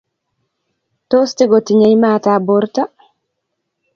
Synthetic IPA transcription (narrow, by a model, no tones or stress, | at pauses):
tɔstiɡɔtiɲajmaːtabɔɾta